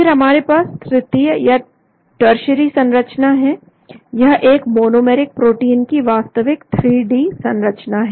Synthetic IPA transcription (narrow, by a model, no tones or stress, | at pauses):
pɪɾɦɐmaːɾepaːst̪ʰɾɪt̪ijəja | ʈəɾʃəɾisɐ̃nɾət͡ʃnaɦɛ | jɐɦʔeːkmoːnoːmɛːɾɪk̚pɾoːʈiːnkiʋaːst̪əʋɪkt̪ʰɾiːɖiːsɐ̃nɾət͡ʃnaɦɛ